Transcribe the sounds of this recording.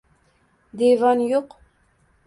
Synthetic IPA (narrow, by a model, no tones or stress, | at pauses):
d̪evɑnjoq